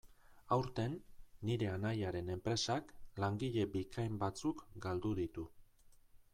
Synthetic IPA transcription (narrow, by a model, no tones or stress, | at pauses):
awɾt̪e̞nːiɾe̞anajaɾe̞ne̞mpɾe̞saklaŋɡiʎe̞bikʰajmbat͡sukɡald̪uðit̪u